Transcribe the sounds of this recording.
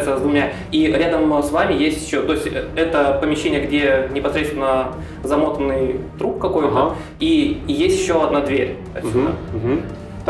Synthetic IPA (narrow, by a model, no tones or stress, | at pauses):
t̪səzd̪vʊmʲa | iɾʲad̪əmsvamʲɪjesʲtʲjɪɕːot̪o̞ɪsʲtʲɛt̪əpəmʲɪɕːenʲɪjəɡdʲe̞nʲɪpɐsɾʲet̪st̪vʲɪnə | zɐmo̞t̪ənːɨjt̪ɾupkɐko̞jt̪ə | ijesʲtʲjɪɕːo̞ɐd̪nad̪vʲeɾʲ | ɐ̰sʲd̪a̰